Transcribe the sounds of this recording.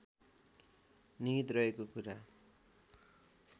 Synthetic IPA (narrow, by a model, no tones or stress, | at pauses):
niit̪rʌekokuɾa